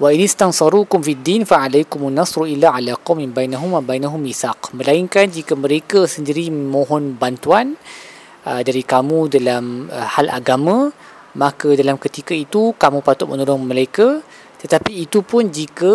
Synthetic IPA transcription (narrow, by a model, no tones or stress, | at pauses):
waʔinɪst̪ansɑɾuːkʊmfid̪ːinfaʕalajkʊmanːɑsɾʔilaʕalaqɑwminbajnaɦʊmwabajnaɦʊmisaqmə̃laiŋkand͡ʒikamə̃ɾekəsəndiɾiməmõɦɔnbant̪uan | ʔədaɾikamũdalaməhalʔa̰ɡamã | makadalamkət̪ikait̪ukamũpat̪ʊt̪̚mənɔlɔŋməlajka | t̪ət̪apiːt̪upʊnd͡ʒikə